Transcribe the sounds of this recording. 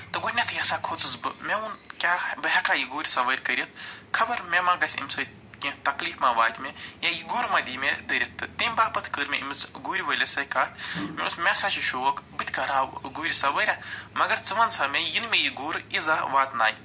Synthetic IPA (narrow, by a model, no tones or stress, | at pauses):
t̪ɨɡoːɾʲnʲɐt̪ʰjasakʰot͡sɨsbɨmʲeunkʲaːbɨɦʲɛkaːjiɡoːɾʲsɐʋəːɾʲkɐɾʲit̪̚ʰkʰɐbɐɾmʲemaɡɐsʲḭmsɐː | kʲĩt̪ɐkliːfmaːʋaːd̪ʲmʲejajiɡoːɾmad̪ʲiːmʲed̪əɾʲɐt̪ːɨt̪imʲbaːpɐt̪ʰkəɾmʲḛʔimɨt͡sɡuːɾʲʋəlʲesɐkaːt̪ʰmʲiusmʲesat͡ʃiʃoːʋɐkbɨt̪ʲkɐɾaːɡuːɾʲsɐʋəɾʲamɐɡɐɾt͡sɨʋɐnsʰɐmʲejinmʲejiɡoːɾizaʋaːt̪naːj